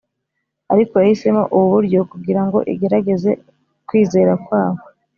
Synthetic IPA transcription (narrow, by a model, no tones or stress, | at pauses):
aɾiko̞jahise̞mo̰ʔuβuβuɾɟo̞kuɡiɾaŋɡo̞̰ʔiɡe̞ɾaɡe̞ze̞ | kwiːze̞ːɾakwaːβo